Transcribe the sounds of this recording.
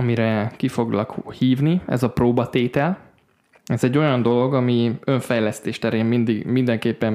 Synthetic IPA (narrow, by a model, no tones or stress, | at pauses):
ɒmiɾɛkifo̞ɡlɒkhiːvniɛ̰zɒproːbɒt̪eːt̪ɛl | ɛzɛɟːo̞jɒnd̪o̞lo̞ɡɒmiø̞ɱfɛjlɛst̪eːʃt̪ɛɾeːmmind̪iɡmind̪ɛŋkeːpːɛn